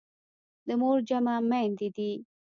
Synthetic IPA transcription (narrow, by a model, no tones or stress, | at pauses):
d̪əmoɾd͡ʒamamand̪id̪i